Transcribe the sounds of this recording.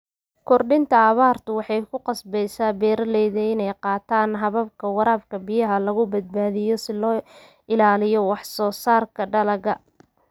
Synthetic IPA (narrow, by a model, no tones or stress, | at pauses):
kʰɔrɖɪnt̪ʰɐːβaːrt̪ʰʊwɑħɑjkʰʊqɑsbɛjsaːbɛːɾɐlɛjðɐɪnɛjqɑːt̪ʰaːnɦɐβɐb̚kʰɐwɑɾaːbkʰɐbɪjɐɦɐlɐɣʊbɐd̪̚baːðɪjɔsɪlɔː | ɪlaːlɪjɔwɑħsɔːsaːrkʰɐɖɐlɐɣɐ